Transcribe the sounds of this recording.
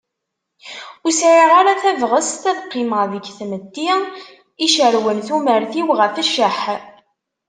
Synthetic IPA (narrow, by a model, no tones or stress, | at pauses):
usʕiʁaɾaθævʁəst̪æðqːɪmʁðəɡθmət̪ːi | iʃəɾwənθuməɾθiwʁəfəʃəħ